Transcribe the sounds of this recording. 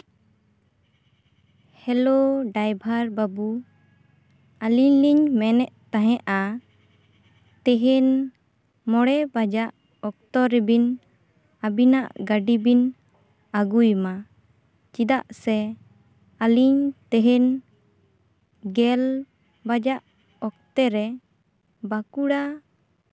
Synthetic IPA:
hɛloɖajbʱaɾbabu | aliɲliɲmɛnɛʔt̪aɦɛ̃ʔa | t̪ɛɦɛn | mɔɽɛbad͡ʒaʔ | ɔk̚t̪ɔɾɛbin | abinaʔɡaɖibin | aɡujma | t͡ʃid̪aʔsɛ | aliɲt̪ɛɦɛn | ɡɛl | bad͡ʒaʔ | ɔk̚t̪ɛɾɛ | bakuɽa

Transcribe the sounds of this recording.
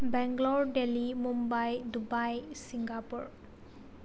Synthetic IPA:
bɛŋɡlɔɹɖelimumbajdubajsiŋɡapuɹ

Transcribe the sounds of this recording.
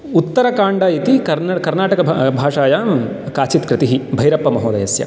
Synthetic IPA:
ut̪ːɐɾɐkaːɳɖajit̪ikɐɾkɐɾnaːʈɐkɐbʱaːʂaːja | kaːt͡ʃit̪kɾɪt̪iɦibʱɐjɾɐpːɐmɐɦoːd̪ɐ̰jɐsjɐ̰

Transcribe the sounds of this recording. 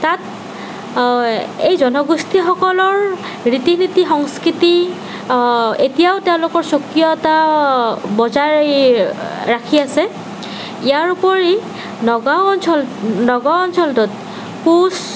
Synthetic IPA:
tat̚ | ejzɔnɔɡustʰixɔkɔlɔɹ | ɹitinitixɔŋskɹiti | etijaʊteʊ̃lʊkɔɹsokːijɔta | bɔzaɹ | akʰiasɛ | ijaɹupɔɹi | nɔɡaɔnsɔlnɔɡɔɔnsʰɔltɔt̚ | kus

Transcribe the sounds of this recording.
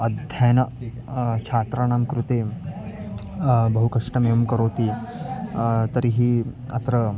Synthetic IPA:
ɐd̪ʱjɐjnɐ | t͡ʃʰaːt̪ɾaːɳaːmkɾut̪eː | bɐɦukɐʂʈɐmejɐmkɐɾoːt̪i | t̪ɐɾiɦi | ɐ̰t̪ɾɐ

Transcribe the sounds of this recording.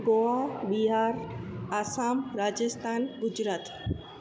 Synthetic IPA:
ɡoabiɦaɾasamɾad͡ʒest̪ʰanɡʊd͡ʒɾaːt̪

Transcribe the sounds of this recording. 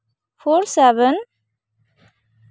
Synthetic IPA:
foɾsɛvən

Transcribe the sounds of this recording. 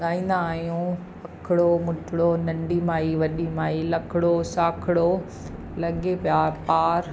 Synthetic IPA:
ɡaːĩːn̆d̪aːɦjũ | pɐkʰɪɽomʊʈʰɪɽonɐ̃ɳɖimaːiʋɐɗimaːilɐkʰɪɽosaːkʰɪɽo | lɐɠepjaːɾpaːɾ

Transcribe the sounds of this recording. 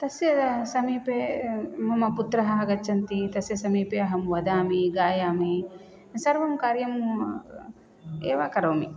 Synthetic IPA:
t̪ɐsjɐɐsɐmiːpemɐmɐput̪ɾɐɦɐɦɐɡɐt͡ʃʰːɐnt̪it̪ɐsjɐsɐmiːpeɐɦɐmʋɐd̪aːmiɡaːjaːmi | sɐɾʋɐmkaːɾjɐm | eːʋaːkɐɾɐːmi

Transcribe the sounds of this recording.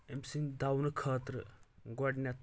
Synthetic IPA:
emsind̪awnkʰaːt̪ɾəɡɐɽnʲjat̪

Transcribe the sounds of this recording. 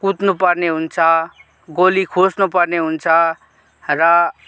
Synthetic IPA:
kut̪nupʌrneɦunt͡sʰʌ | ɡolikʰosnupʌrneɦunt͡sʰʌ | rʌ

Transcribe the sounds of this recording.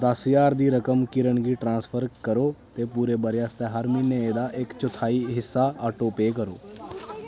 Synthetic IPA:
d̪əsjaːɾd̪iːɾəkəmkɪɾəɳɡiːʈɾãːnspʰəɾkəɾoːt̪eːpuːɾeːbəɾɪjaːst̪eːɦəɾmiːneːeːd̪aːʔɪkt͡ʃʊt̪ʰaːiːɦɪsːaːaːʈoːpeːk̬əɾoː

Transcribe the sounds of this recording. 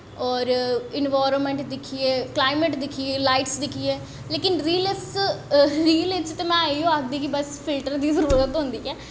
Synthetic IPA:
ɔːɾɪnʋaːɾənmɛ̃ɳʈd̪ɪkʰieːklaːɪmeʈd̪ɪkʰieːlaːɪʈsd̪ɪkʰieː | leːkɪnɾiːləs | ɾiːlɪt͡ʃt̪eːmɛ̃ːaiõːaːk̚d̪iːkibəspʰɪlʈəɾd̪iːzəɾuːɾət̪ɦõnd̪iːɛː

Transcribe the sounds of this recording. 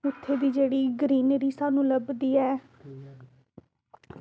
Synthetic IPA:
ʊt̪ʰːeːd̪iːd͡ʒeːɽiːɡəɾiːnɾiːsaːnũːləbd̪iːɛː

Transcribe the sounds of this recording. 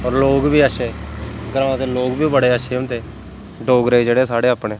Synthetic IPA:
ɔːɾloːɡbiːaʃeːɡəɾaʋãːt̪eːloːɡbiːbəɽeːaːʃeːʊnt̪eː | ɖoːɡɾeːd͡ʒeːɽeːsaːɽeːaːpɳeː

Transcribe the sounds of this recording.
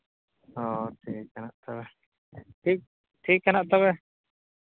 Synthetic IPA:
ɔʈʰiʔkːanaʔt̪ɔβɛ | ʈʰik̚ | ʈʰikːanaʔt̪ɔβɛ

